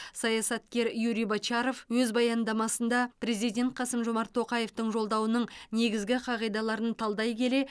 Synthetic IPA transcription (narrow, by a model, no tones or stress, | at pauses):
sɑjɑsɑt̪kʲe̞ɾjuɾijbɑt͡ʃɑɾo̞fwɵzbɑjɑnd̪ɑmɑsənd̪ɑpɾe̞zijd̪ʲe̞nt̪̚qʰɑsəmʒo̞mɑɾt̪ʰːo̞qɑje̞ft̪əɴʒo̞lˠd̪ɑwənəɴne̞ɡʲɪzɡʲɪqʰɑʁijd̪ɑlˠɑɾənt̪ʰɑlˠd̪ɑjkʲʰe̞le̞